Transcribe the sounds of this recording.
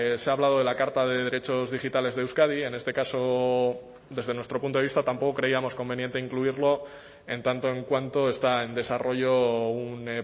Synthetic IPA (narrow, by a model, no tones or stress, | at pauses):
seaβlað̞o̞ð̞e̞lakaɾt̪aðe̞ðe̞ɾe̞t͡ʃo̞zðixit̪ale̞zðewskaðie̞ne̞st̪e̞kaso̞ | d̪e̞zðe̞nwest̪ɾopunt̪oist̪at̪ampo̞ko̞kɾe̞iamo̞sko̞mbe̞njent̪e̞iŋkluiɾlo̞ | e̞nt̪ant̪o̞e̞ŋkwant̪o̞e̞st̪ae̞nd̪e̞saro̞ʝoun